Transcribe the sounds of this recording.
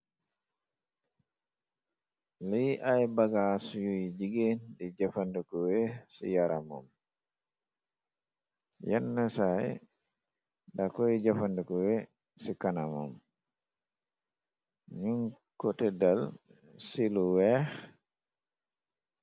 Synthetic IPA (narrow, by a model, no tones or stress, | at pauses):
liʔajbaɡasujujd͡ʒiɡendid͡ʒafandɛkɔwɛsḭjaɾama̰m | jɛ̰nːasaj | dakɔjid͡ʒafandɛkɔwɛ | sikanama̰m | ɲuŋkɔtɛdal | siluwɛx